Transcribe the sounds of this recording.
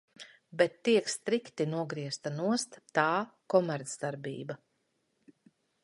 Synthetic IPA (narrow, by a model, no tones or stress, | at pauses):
bɛt̪ːiɛkst̪ɾikt̪inuɔɡɾiɛst̪anuɔst̪t̪aːkɔmɛɾt̪sd̪aɾbḭːba